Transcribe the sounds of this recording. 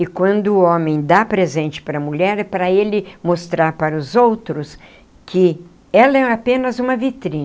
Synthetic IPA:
ɪkwɐ̃nd̪ʊːõmẽj̃d̪apɾezẽnt͡ʃɪ̥paɾɐmuʎɛɾɛpɾɐelɪmost̪ɾaɾpaɾʊzowt̪ɾʊs | kʰɪ | ɛlɐɛapẽnɐzũmɐvit̪ɾĩn

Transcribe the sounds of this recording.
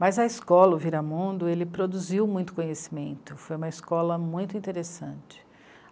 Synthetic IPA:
mɐzɐiskɔlɐʊviɾamũnd̪ʊelɪpɾod̪uziwmũj̃t̪ʊ̥kõɲesi̥mẽnt̪ʊfojũmɐiskɔlɐmũj̃t̪ʊĩnt̪eɾesɐ̃t͡ʃɪ̥

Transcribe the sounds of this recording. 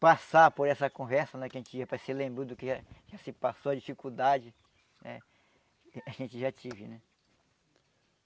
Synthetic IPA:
pasapoɾɛsɐkõvɛɾsɐnɛkɪaɐʒẽnt͡ʃɪiɐpɾɐsɪlẽmbɾõd̪ʊkɪʒaʒasɪpasoɐd͡ʒifikud̪ad͡ʒɪ | nɛ̰ | aʒẽnt͡ʃɪʒat͡ʃivɪnɛ

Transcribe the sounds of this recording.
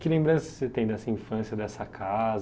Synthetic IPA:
kɪlẽmbɾɐ̃sɪ̥set̪ẽj̃d̪ɛsɐĩfɐ̃sjɐd̪ɛsɐkʰaz

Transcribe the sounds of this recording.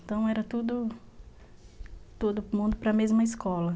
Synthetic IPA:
t̪ɐ̃w̃ɛɾɐt̪ud̪ʊ | t̪od̪ʊmũnd̪ʊpɾɐmezmɐɪskɔlɐ

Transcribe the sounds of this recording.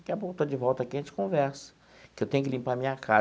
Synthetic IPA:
akɪapokt̪od͡ʒɪvɔwt̪ɐakiɐʒẽt͡ʃɪ̥kõvɛɾsɐ̥ | kɪewt̪ẽjʊkɪlĩmpaɐmĩɲɐkʰa

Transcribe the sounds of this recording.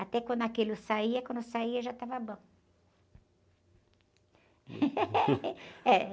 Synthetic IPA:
at̪ɛkwɐ̃nd̪ʊakelʊsaiɐkwɐ̃nd̪ʊsaiɐʒat̪avɐbõ | ɛ

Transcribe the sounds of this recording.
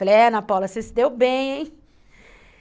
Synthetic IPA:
plẽnɐpawlɐsẽsɪd̪ewbẽj̃

